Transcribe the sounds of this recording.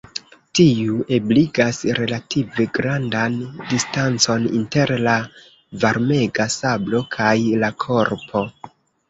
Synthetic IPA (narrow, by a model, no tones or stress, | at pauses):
tiuʔe̞bliɡasɾe̞lative̞ɡɾandandistant͡so̞nḭnte̞ɾla | vaɾme̞ɡasablo̞kʰajlakʰo̞ɾpʰo̞